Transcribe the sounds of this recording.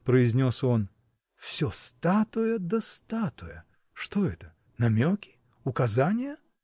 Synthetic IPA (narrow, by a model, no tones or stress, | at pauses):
pɾəɪzʲnʲoson | fsʲost̪at̪ʊjəd̪əst̪at̪ʊjə̰ | ʂt̪oɛt̪ə | nɐmʲokʲɪ̥ | ʊkɐzanʲɪjə